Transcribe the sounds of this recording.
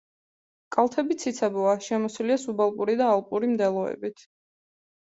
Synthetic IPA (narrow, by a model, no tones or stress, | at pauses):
kʼalˠt̪ʰɛbit̪sʰit̪sʰabɔaʃɛmɔsiliasubalˠpʼuɾid̪aːlˠpʼuɾimd̪ɛlˠɔɛ̰bit̪ʰ